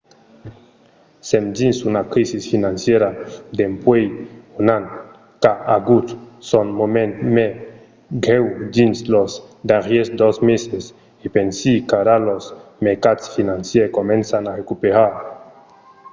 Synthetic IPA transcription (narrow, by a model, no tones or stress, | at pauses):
semd͡ʒinsunakɾisisfinansjeɾad̪empwejonan | kaaɡut̪sonmomenme | ɡɾewd̪inslozd̪aʁjesd̪ɔzmeses | ipensikaɾalosmeɾkat̪sfinansjekomẽnsanarekupeɾaɾ